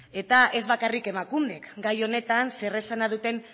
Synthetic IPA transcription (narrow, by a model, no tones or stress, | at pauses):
e̞t̪aʔe̞zβakarike̞makumde̞kɡajo̞ne̞t̪anse̞resanað̞ut̪e̞n